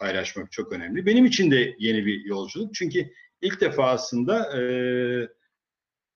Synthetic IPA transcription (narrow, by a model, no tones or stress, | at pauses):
pʰajlˠaʃmak̚t͡ʃʰo̞kø̞næmlʲibe̞nimit͡ʃʰind̪ɛje̞nibijo̞lˠd͡ʒulˠuk̚t͡ʃʰyɲcy | ilʲc̚d̪e̞faːsˠɯnd̪aɯː